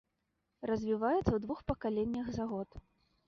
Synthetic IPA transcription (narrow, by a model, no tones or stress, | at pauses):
rɐzʲvʲivajɛt̪sːɐwd̪vuxpɐkalʲenʲːɐɣzaɣɔt̪